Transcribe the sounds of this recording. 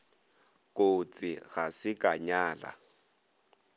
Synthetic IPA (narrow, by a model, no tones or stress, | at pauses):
kʼot͡sʼɪɣasɪkʼaɲaːla̰